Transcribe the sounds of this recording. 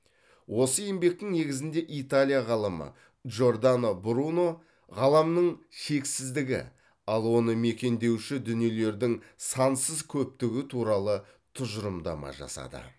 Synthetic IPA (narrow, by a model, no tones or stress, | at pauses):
wʔo̞səje̞mbe̞k̚t̪ɪŋne̞ɡʲɪzɪnd̪e̞ʔit̪alʲijaʁɑlˠəmə̰ | ʒo̞rd̪anobɾuno̞ | ʁɑlˠɑmnəɴʃe̞ksɪzd̪ɪɡʲɪ̰ | ɑlˠwo̞nəme̞kʲe̞nd̪e̞wʃɪd̪ʏnije̞le̞ɾd̪ɪŋsɑnsəzkʲʰɵp̚t̪ɪɡʲɪt̪ʰuɾɑlˠə | t̪ʰʊʒəɾəmd̪ɑ̰mɑ̰ʒɑ̰sɑ̰d̪ə̰